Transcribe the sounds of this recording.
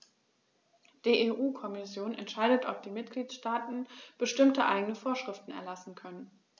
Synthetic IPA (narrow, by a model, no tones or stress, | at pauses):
d̥iːʔeʔuːkʰɔmɪsjoːnɛ̰ntʃaɪdətʔɔp̚d̥iːmɪtɡ̥liːtʃtaːtn̩b̥əʃtɪmtəʔa̰ɪɡənəfoːɐʃʁ̥ɪftn̩ɛ̰ɐlasn̩kʰœnən